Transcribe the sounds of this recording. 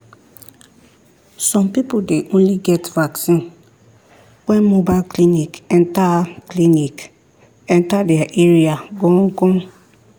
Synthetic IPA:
sɔ̃mpipodeʔõnliɡɛtvaksĩn | wɛ̃nmobaɪlklĩnikɛ̃ntaklĩnik | ɛ̃ntadɛaʔeɹiaɡõŋ̩kɔ̃n

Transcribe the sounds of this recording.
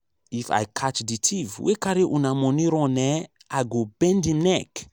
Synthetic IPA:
ifa̰jkʰat͡ʃditʰivwekaɾiʔunamɔ̃niɾɔ̃nɛ | aɡobɛ̃ndinɛk

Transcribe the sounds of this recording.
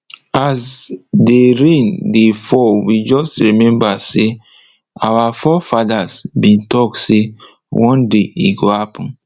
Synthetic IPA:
asdeɹẽndefɔwid͡ʒɔstɹimɛ̃mbase | awafɔfadasbĩntɔkse | wʔɔ̃ndeḭɡohapɔ̃n

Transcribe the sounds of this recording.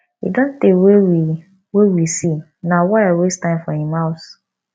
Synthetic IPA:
hḭdɔ̃ntewei | wewisi | nawaawestãɪ̃nfɔhĩmaʊs

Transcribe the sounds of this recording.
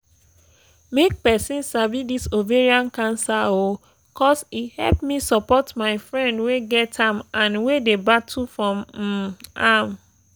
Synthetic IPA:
mek̚pɛsĩnsabidisoveɹiãnkãnsao | kɔsihɛ̰lpmĩsɔpɔtmaɪfɹɛ̃ndweɡɛtʰãmãnwedebatʰufɹɔ̃m̩ | ãm

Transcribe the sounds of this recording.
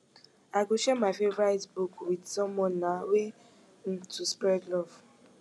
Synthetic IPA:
aɡoʃɛmafevɾaitbukwidsɔmɔnawe | n̩tuspɛɡlɔv

